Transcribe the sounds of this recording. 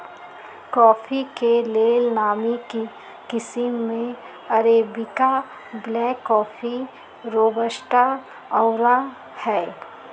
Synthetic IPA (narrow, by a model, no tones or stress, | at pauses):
kɔːfʰikeleːlnaːmiki | kɪsɪmːẽ | ɐɾebɪka | blɛːkːɔːfʰi | ɾoːbəʃʈa | ɔʊɾa | hɛː